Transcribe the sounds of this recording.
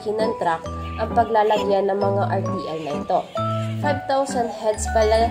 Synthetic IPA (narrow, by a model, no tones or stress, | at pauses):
kɪnɐŋt̪ɾakʔɐŋpɐɡlaːlɐɡjɐnːɐŋmɐŋaʔɐɹt̪iːʔɛlnɐʔɪt̪o̞fajvt̪awsɐnd̪̚hɛd̪spɐlɐ